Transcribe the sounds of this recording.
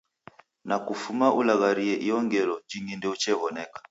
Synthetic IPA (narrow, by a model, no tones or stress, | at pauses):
nakufumaʔulaɣaɾiɛʔiɔŋɡɛlɔd͡ʒiŋɡindɛut͡ʃɛβɔnɛkḁ